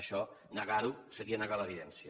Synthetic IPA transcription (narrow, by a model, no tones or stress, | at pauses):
ʃɔnəɣaɾusəɾiənəɣaləːβiðɛnsiə